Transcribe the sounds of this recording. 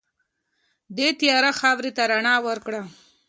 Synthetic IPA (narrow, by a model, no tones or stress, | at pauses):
d̪et̪jɑɾaxɑwɾet̪aɾaɳɑwəɾkɽa